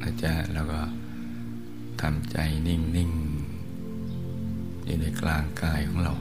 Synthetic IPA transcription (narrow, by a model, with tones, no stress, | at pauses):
ʔa˧˩t͡ɕa˧˩lɛː˧˩wkɔ˧˩ | t̪ʰa˧˩mt͡ɕa˧jni˧˩ŋni˧˩˨ŋ | jṵː˧na˧˩jklaː˧ŋkaː˧˩jkʰɔː˨˦ŋɾa˧˩w